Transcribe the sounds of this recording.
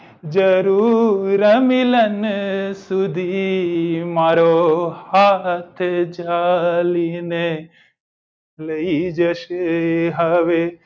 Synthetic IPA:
d͡ʒəɾuːɾəmilənsud̪ʱi | maːɾohat̪ʰd͡ʒaline | ləid͡ʒəʃeɦəʋe

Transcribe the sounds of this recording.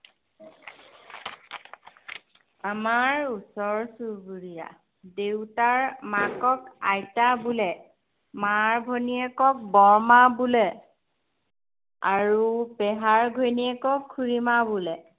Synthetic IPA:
amaɹusɔɹsuɡuɹija̰ | dewtaɹmakɔkajtabulɛ | maɹbʱoniɛkɔk̚bɔɹmabulɛ | aɹupɛɦaɹɡʱojniɛkɔkʰːuɹimabulɛ

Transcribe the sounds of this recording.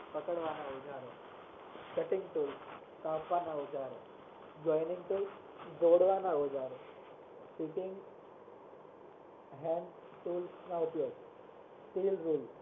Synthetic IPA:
pəkəɽʋanaod͡zaɾe | kəʈiŋɡt̪uːl | kapanaud͡zaɾe | d͡ʑɔjniŋɡt̪ul | d͡zoɽʋanaod͡zaɾe | sikiŋɡ | ɦɛ̃n | t̪uːlnaupjoɡ | tilɾuːl

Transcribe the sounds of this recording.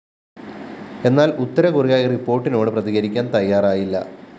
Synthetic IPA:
e̞nːaːlut̪ːɐɾɐkurijaːjɐripːo̞ːrʈːino̞ːɽɨprɐðiɣɐɾikʲːaːnt̪ɐjːaːraːjilːɐ̰

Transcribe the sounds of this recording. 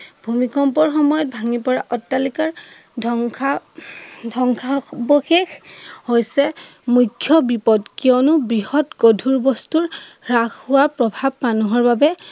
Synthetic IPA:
bʱumikɔmpɔɹxɔmɔjɔt̚bʱaŋipɔɹaʔɔtːalikaɹ | dʱɔŋʰa | dʱɔŋkʰaboxexhojsɛmujkʰːjɔbipɔdkiɔnʊbɹiɦɔtɡodʱuɹbɔstuɹɹaxʊwapɹɔbʱab̚manɔɦɔɹbabɛ

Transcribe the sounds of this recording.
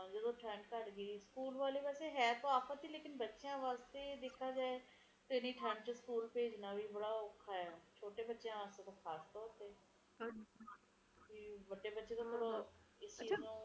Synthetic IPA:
ãːd͡ʒed̪õːʈʰɛ̃ːɳɖkəɾɡəiːskuːlʋaːleːʋɛːseɦɛːt̪oːaːpʰət̪iːleːkɪnbətːʃjãːʋaːst̪eːd̪eːkʰːaːd͡ʒaːe | t̪eniːʈʰɛ̃ːɳɖt͡ʃeskuːlpeːd͡ʒnaːbʱiːbəɽaːʊkʰːaːɦɛːt͡ʃʰoːʈeːbətːʃjãːʋaːst̪eːt̪oːkʰaːst̪ɔːɾt̪eː | biːbəɖeːbətːʃeːt̪oːpʊɾɪst͡ʃiːnũː

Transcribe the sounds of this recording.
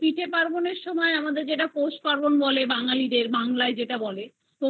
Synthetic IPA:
piʈʰepaɾboneɾʃɔmɔeamad̪eɾd͡ʑeʈaposʈ̚paɾbonbɔlebaŋalid̪eɾbaŋlaed͡ʑeʈabɔle | t̪o

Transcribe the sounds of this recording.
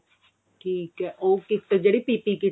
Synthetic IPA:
ʈʰiːkɦɛːʔoːkɪkt̪əd͡ʒɐɽipipiki

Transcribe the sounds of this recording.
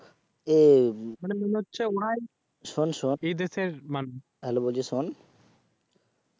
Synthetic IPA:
emanemoneɦotːɕʰeoɽaj | ʃonʃonejd̪eseɾman | ɦɛlobold͡ʑison

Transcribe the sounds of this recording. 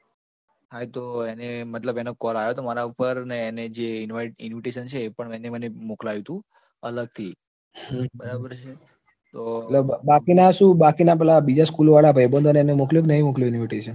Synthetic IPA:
ɦajt̪oenemət̪ləbenokɔlajot̪omaɾaupəɾneːned͡ʒeɪnʋaiʈɪnʋiʈeʃənt͡ʃʰeːpəɳɛnemənemoklajũt̪ũ | ələɡ̚t̪ʰi | hbəɾabəɾt͡ʃʰe | t̪ot̪ləbakinaʃũbakinapɛlabid͡ʒaskulʋaɭapəebənd̪əneenemokljoknəɦimokljjunʋiʈeʃən

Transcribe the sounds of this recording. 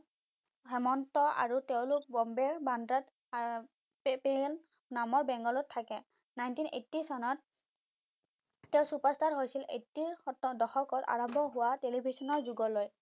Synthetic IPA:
hɛmɔntɔa̰ɹutɛʊ̃lʊk̚bɔmbɛɹbandɹat | pel | namɔɹbɛŋɡɔlɔtʰːakɛ | najntinḛtːisɔnɔt̚ | ɛʊ̃supɔɹstaɹɦojsilʔḛtːiɹtdɔxɔkɔta̰ɹɔmbʱɔɦʊwatelibʱisɔnɔɹzuɡɔloj

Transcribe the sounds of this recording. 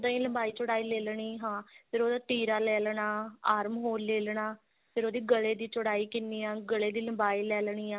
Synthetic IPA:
d̪aːĩːləmbaːiːt͡ʃʊɽaːiːleːlɳiːɦãːpʰɪɾoːd̪aːʈiːɾaːlɛːlɳaːaːɾmɦoːleːlɳaː | pʰɪɾoːd̪iːɡəleːd̪iːt͡ʃʊɽaːiːkɪniːaːɡəleːd̪iːləmbaːiːlɛːlɳ̃iːaː

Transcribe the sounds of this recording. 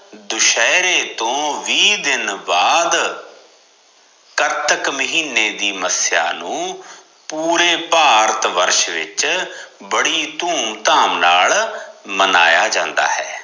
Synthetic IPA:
d̪ʊʃɛːɾeːt̪õːʋiːd̪ɪnbaːd̪ | kəɾt̪əkməɦiːneːd̪iːməsja̰ːnũː | puːɾeːpaːɾət̪ʋəɾʃʋɪ̰t͡ʃbəɽiːt̪uːmt̪aːmnaːlmənaːjaːd͡ʒãːnd̪a̰ːɦɛː

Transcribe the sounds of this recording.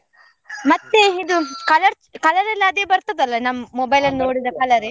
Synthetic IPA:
mɐt̪ːeid̪ukɐlɐɾt͡ʃkɐlɐɾɛlːɐɐd̪eːbɐɾt̪oːd̪ɐlːɐnɐmːɐmɔbɐjlɐnnoːɽid̪ɐkɐlɐɾe

